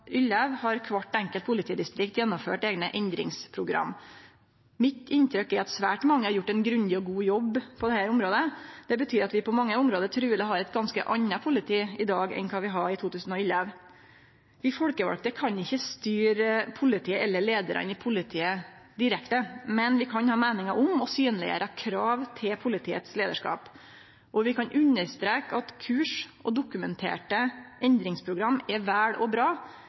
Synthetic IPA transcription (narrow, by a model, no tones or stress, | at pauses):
ʏlːəʋhɑɾkʰʋɑʈːɛŋkəlt̪pʰʊlɪt̪ʰiːd̪ɪst̪ɾɪk̚t̪jɛnːɔmfø̰ːʈeːɡnəʔɛnd̪ɾɪ̰ŋspʰɾʊɡɾɑ̰mː | mɪt̪ɪnt̪ʰɾœkːɪɑt̪sʋæːʈmɑŋːəhɑɾjʊʈːɛnɡɾʉnd̪ɪɔɡuːjɔbːpʰɔd̪ɛhæːɾʊmɾoːd̪əd̪ɛbət̪ʰyːɾɑt̪ʋɪpɔmɑŋːəʊmɾoːd̪əɾt̪ʰɾʉːd̪ɛɦɑɾɛt̪̚ɡɑnskə̰ʔɑnːɑpʰʊlɪt̪ʰiːɪd̪ɑːɡɛ̰nkʰɑːʋɪɦɑɾɪt̪ʰuːt̪ʰʉːsən̩ɔʏləʋ | ʋɪfɔɽkəʋɑ̰lk̚t̪əkʰɑnɪçːəst̪yːɾpʰʊlɪt̪ʰiːəɛlːəɭeːd̪əɾɑ̰nɪpʰʊlɪt̪ʰiːə | d̪ɪɾɛkt̪əmɛnʋɪkʰɑnhɑːmeːnɪŋɑʔʊmɔsyːnlɪ̰ə̰ɾʔəɑkʰɾɑːʋt̪ʰɪlpʰʊlɪt̪ʰiːə̰t̪sleːd̪ə̰ʂkɑ̰ːp | ʔɔʋɪkʰɑnʔʉnːəɾst̪ɾeːkɑt̪kʰʉːʂʔɔd̪ʊkʉmɛnt̪ʰḛːʈəʔɛnd̪ɾɪŋspʰɾʊɡɾɑmːɛʋæːɽɔbɾɑː